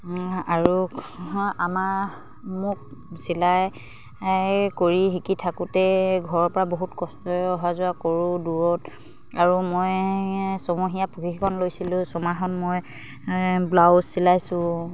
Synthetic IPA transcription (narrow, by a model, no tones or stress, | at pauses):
aɹu | amaɹ | mʊk̚silaj | koɹiɦikitʰakʊtɛɡʱɔɹɔɹpɔɹaboɦutkɔstɔɔɦazʊakoɹʊ̃duɹɔt | aɹumojsɔmoɦijapukixikʰɔnlojsilʊ̃sɔmaxɔnmɔj | blawzsilajsʊ̃